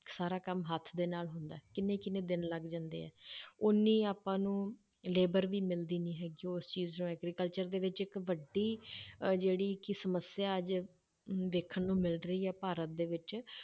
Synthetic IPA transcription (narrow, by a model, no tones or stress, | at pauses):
saːɾaːkəmɦət̪ʰːd̪eːnaːlɦʊnd̪aːɛːkɪnẽːkɪnẽːd̪ɪnləɡd͡ʒãːnd̪ḛːɛ̰ːʊnːiːaːpãːnũː | leːbəɾʋiːmɪld̪iːniːɦɛːɡiːost͡ʃiːznõːɛːɡɾiːkəlt͡ʃəɾd̪eːʋɪt͡ʃɪkʋəɖiːd͡ʒeːɽiːkɪsəməsjãːəd͡ʒ | d̪eːkʰənnũːmɪlɾəiːɛːpaːɾət̪̚d̪eːʋɪt͡ʃ